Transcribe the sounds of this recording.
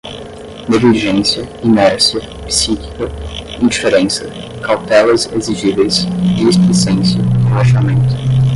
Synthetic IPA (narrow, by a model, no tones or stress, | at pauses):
neɡɪliʒẽsiɐinɛɾsiɐ | psiki̥kɐ | ĩd͡ʒifeɾẽsɐ | kawt̪ɛlɐzeziʒivejsd͡ʒɪespisẽsjɐlaʃamẽnt̪ʊ̥